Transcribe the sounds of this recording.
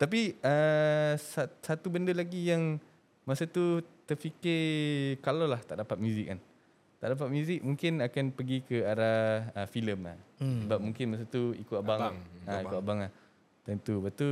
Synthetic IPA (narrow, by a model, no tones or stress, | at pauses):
t̪ap̬iə | sasat̪ubəndəlaɡijaŋ | masat̪ut̪ərfikɪrkalawlaht̪aʔdapat̪̚mjũzɪk̚an | t̪aʔdap̬at̪̚mjũzɪk̚mũŋkɪnakanpəɡikəaɾaəfiləmla̰səbap̚mũŋkɪnmas̬at̪uḭkut̪abaŋaikʊt̪abaŋlah | t̪ənt̪ubaʔt̪u